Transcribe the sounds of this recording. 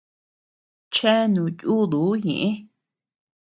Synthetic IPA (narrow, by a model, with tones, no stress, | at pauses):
t͡ʃe˦nũ˨ju˦d̪u˨˦ɲḭ̃˨ʔĩ˦